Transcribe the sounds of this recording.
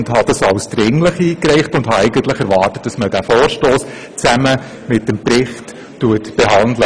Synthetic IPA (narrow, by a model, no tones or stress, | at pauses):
ndɦɑd̥ɑsɑwsd̥̪ɾɪŋləχiːkɾɛɪχtʊndhɑɛɪɡəntləχɛɾʋɑːrtət̚d̥ɑsməd̥æfoːɾʃtoːs | t͡sæmə | mɪt̚ɛmpɾɪχt | tuətb̥ɛɦɑnd̪lə